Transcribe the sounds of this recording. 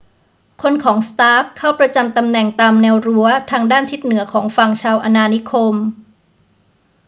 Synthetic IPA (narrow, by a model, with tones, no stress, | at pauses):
kʰo˧nkʰɔː˩˦ŋst̪aː˦˥kkʰːa˥˩wpɾa˧t͡ɕa˧mt̪a˧mnɛ˨˩ŋt̪aː˧mnɛː˧wɾu˧˥ɐt̪ʰaː˧ŋdaː˥˩nt̪ʰi˦˥t̪̚nɯ˩˦ɐkʰɔː˩˦ŋfa˨˩ŋt͡ɕʰaː˧wʔa˧naː˧ni˦˥kʰo˧m